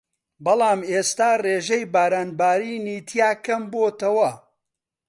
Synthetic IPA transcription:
bɐlˠaːmeːst̪aːreːʒɐjbaːɾaːnbaːɾiːniːt̪ʰijaːkɐmboːt̪ɐwɐ

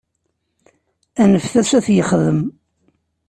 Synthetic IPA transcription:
ænəfθæsæθjəχðəm

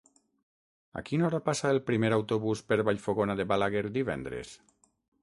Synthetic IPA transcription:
a̰kinɔɾapasaelˠpɾimeɾawt̪oβuspeɾβaʎfoɣonaðeβalaɣeɾd̪iβɛ̰nd̪ɾḛs

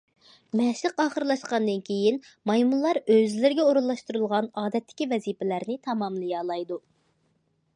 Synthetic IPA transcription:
mɛʃlɨqɑːχəɾlˠɑʃqɑnd̪ɨnkʲʰejin | mɑjmullˠːɑɾøzlɪɾɡʲɛoɾulːˠɑʃt̪uɾulˠʁɑnɑːd̪ɛt̪ʰːɪ̥kʲivɛzipɪlæɾnɪt̪ʰɑmɑmlˠɨjɑːlˠɑjd̪u

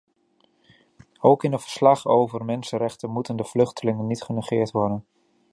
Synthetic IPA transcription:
owkɪnətv̥ə̥ɹslɑχowvəɹmɛnsəɾɛχtənmutəndəv̥lɵχtəlɪŋənːitχənəχɪːɹtʋɔɹdən

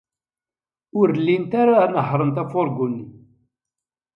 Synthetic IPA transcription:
ʊɾlːint̪aɾanəɦɾˤənt̪æfoɾˤɡunːi

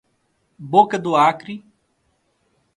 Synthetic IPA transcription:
boːkəd̪oːaːkɾiː

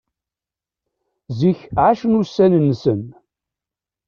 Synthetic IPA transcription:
ziçʕaʃənusænənːsən

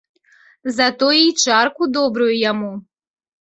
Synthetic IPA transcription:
zat̪ɔit͡ʃaɾkud̪ɔbɾujujamu

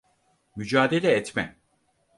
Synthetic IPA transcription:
myd͡ʒaːd̪elʲɛːt̪mɛ

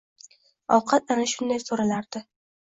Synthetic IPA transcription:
ɒwqʰɑt̪anaʃʊnd̪ajsoɾalaɾd̪̥ɪ

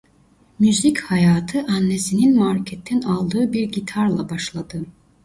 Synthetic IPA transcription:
myzichajaːt̪ʰɯʔanːesininmaɾcʰɛt̪ʰːinalˠd̪ɯːbiɾɟit̪ʰaɾlˠabaʃlˠad̪ɯ

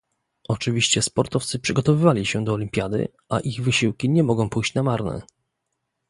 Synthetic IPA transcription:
ɔt͡ʂɘvʲiɕt͡ɕɛspɔɾt̪ɔft̪sɘpʂɘɡɔt̪ɔvɘvalʲiɕɛd̪ɔːlʲimʲpʲjad̪ɘ̰ | ʔaʔiɣvɘɕiwkʲiɲɛmɔɡɔ̃w̃pujɕt͡ɕnamaɾnɛ̰

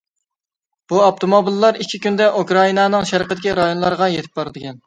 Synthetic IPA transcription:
b̥uɑp̚t̪ʰomobilˠːɑɾikʲʰːikʲynd̪ɛʔukɾɑinɑnɨŋʃæɾqʰət̪ɪkʲiɾɑjonlˠɑɾʁɑjet̪ʰɪ̥p̚bɑɾɨd̪ɨkʲɛn

